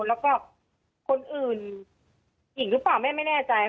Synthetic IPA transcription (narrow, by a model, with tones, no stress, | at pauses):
lɛː˦˥wkɔː˥˩ | kʰo˧nʔɯː˨˩n | ji˨˩ŋɾɯ˦˥plaː˨˩wmɛː˥˩ma˥˩jnɛː˥˩t͡ɕa˧j